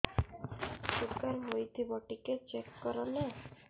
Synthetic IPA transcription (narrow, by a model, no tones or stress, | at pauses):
sukaɾɦojt̪ʰibɔʈiket͡ɕekːɔɾone